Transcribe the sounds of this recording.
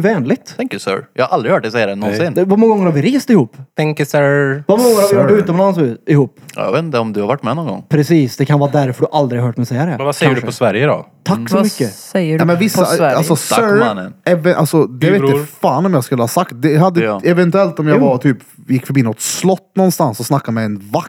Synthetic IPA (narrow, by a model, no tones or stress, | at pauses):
vɛːnlɪt̪ʰɛŋkəsœ̰ɹjɑ̰haʔald̪ɾɪhœːʈ̚dɛsɛjːad̪ɛnɔnssɪnvamɔŋːɡɔŋːəɾhaɾvɪɾeːst̪ɪhuːpːt̪ʰɛŋkəsɛvamɔŋːəɾhaɾvɪhœːʉːt̪ɔmlansʉɪhuːpːjvet̪nd̪əɔmd̪ɵhaɾvaʈːmɛnɔnɡɔ̰ŋːpʰɾɛsiːsd̪ɛkʰanvɑːd̪æɾfœɖɵʔald̪ɾɪɡɦœːʈmɛsɛjːad̪ɛsɛəɖʉpɔsvæɾjəd̪ɔ̰t̪ʰakːsɔmʏkːəɛjəɛmɛnvɪsaalsɔsœn̰nɛvɛʔa̰lsɔd̪ɛvɛt̪jfaːnɔmjɑːɡskʉlːəhɑsakt̪̚d̪ɛɦad̪ːəɛvɛnt̪ʉɛlt̪ɔmjɑɡvat̪ʰyːpjɪkːfœɾbiːnɔt̪slɔt̪ːnɔnst̪ansɔsnakːad̪mɛɛnvak